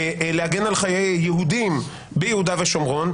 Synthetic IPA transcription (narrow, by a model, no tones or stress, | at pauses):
leaɡenalχajejːeɦud̪im | bejehud̪aveʃomʁo̞n